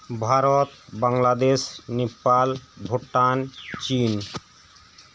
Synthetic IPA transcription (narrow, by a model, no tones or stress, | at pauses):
bʱaɾot̪baŋlad̪eʃnepalbʱoʈːant͡ɕin